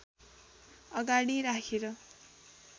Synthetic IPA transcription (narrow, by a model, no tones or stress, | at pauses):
ʌɡaɽ̃iɾakʰeɾʌ